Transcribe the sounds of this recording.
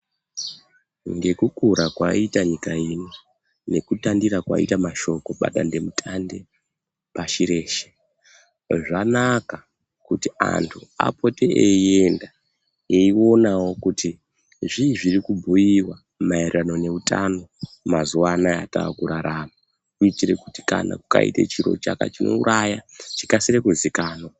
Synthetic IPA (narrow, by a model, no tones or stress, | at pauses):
ŋɡe̞kukuɾakwa̰itaɲikaino | ne̞kutandiɾakwa̰ḭtamaʃo̞ko̞ɓa̰ɗa̰nde̞mutʰande̞ | paʃiɾe̞ːʃe̥ | ʐanaka | kutia̰ntʰua̰po̞teʔeie̞nda | jeio̞nawo̞kuti | ʐiʐirikubʱujiwa | mairrano̞ne̞utʰa̰no̞mazuwanaa̰ta̰ːkuɾaɾama | kuitiɾe̞kuti̥kana̰kuka̰ḭtet͡ʃiɾo̞̰t͡ʃaka̰t͡ʃino̞̰uɾʔajat͡ʃi̥kasiɾekuzikaːno